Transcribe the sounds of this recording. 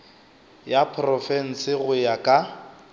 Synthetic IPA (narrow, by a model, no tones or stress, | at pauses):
japʰrɔfɛn̩sɪɣʊjakʼa